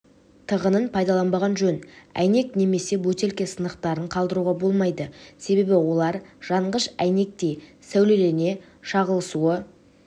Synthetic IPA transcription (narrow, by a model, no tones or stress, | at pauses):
t̪ʰəʁənənpʰɑjd̪ɑlˠɑnbɑʁɑnʒɵnæ̰jne̞kne̞me̞se̞bɵt̪e̞lkʲe̞sənəqt̪ɑɾəɴqʰɑlˠd̪əɾuʁɑbo̞lˠmɑjd̪əse̞be̞bɪwo̞lˠɑɾʒ̥ɑɴʁəʃæjne̞k̚t̪e̞j | sæwle̞le̞ne̞ | ʃɑʁəlˠəsuə